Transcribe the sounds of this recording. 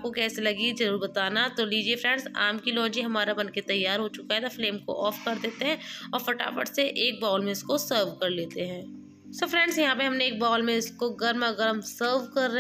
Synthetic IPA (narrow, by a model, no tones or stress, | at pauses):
p̚kokɛːselɐɡizɐɾuːɾbɐt̪aːnat̪oliːd͡ʒiefɾɛ̃ːɳɖsa̰ːmkilɔːd͡ʒiɦɐmaːɾabɐnket̪ɐjːaːɾɦot͡ʃʊkaɦɛt̪afleːmko̰ʔɔːfkɐɾd̪eːt̪eɦɛ̃ːɔːɾfɐʈa̰ːfə̰ʈseʔeːk̚baːlmẽɪskosəːɾʋkɐɾleːt̪eɦɛ̃ː | sofɾɛ̃ːɳɖsjɐɦãːp̬eɦɐmneeːk̚baːlmẽɪskoɡɐɾmɐɡəɾəmsəːɾʋkɐɾːɐɦ